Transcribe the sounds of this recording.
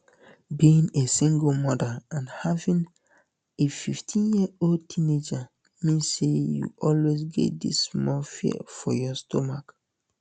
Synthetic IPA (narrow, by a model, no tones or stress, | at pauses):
biĩŋesĩŋɡəmɔdəãnhavĩŋ | efiftʰĩnjiəoltʰined͡ʒa | mẽsejṵʔɔlwezɡɛ̰t̚dismɔlfḭfɔjɔstʰomak